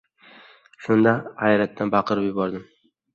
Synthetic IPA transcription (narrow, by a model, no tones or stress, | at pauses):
ʃʊnd̪ahajɾat̪ːanbɑqʰɨɾɪpjʊbɒɾd̪ɪm